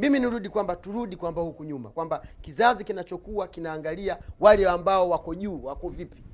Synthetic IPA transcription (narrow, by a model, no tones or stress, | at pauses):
miminiɾuɗikwambatuɾuɗikwambahukuɲumakwambakizazikinat͡ʃɔkuwakinaːŋɡaliawalɛambaɔwakɔʄuːwakɔvipi̥